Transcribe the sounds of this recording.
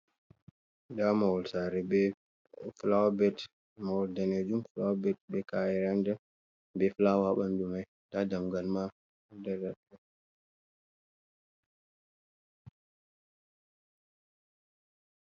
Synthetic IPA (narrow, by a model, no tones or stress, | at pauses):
damawɔlsaɾɛbɛ | flawabɛt | mawɔldaned͡ʒumflabɛt̚bɛkajɛɾanda | bɛflawaɓandumaj | tadamɡalma | dadatːɛ